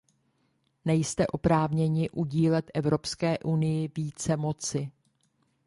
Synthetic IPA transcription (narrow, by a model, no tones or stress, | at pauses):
nɛjst̪ɛʔo̞pɾaːvɲɛɲɪʔuɟiːlɛt̪ʔɛvɾo̞pskɛːʔunɪjɪviːt͡sɛmo̞t͡sɪ